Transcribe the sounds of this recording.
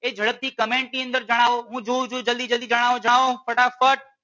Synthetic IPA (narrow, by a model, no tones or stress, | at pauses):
eːd͡ʒʱəɽəb̚t̪ʰiːkəmẽːɳʈ̚nĩə̃nd̪əɾd͡ʒəɽ̃aːʋoɦũːd͡ʒuːd͡ʒuːd͡ʒəlid͡ʒəliːd͡ʒəɽ̃aːʋod͡ʒəɽaːʋõfəʈafəʈ̚